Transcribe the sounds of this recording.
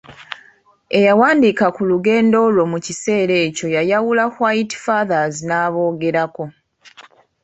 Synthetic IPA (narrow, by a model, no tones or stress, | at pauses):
e̞jawaːndikakuluɡe̞ːndo̞lo̞mucise̞ːɾe̞ːco̞jajawulakwaːjiti̥faðazinaːβo̞ːɡe̞ɾako̞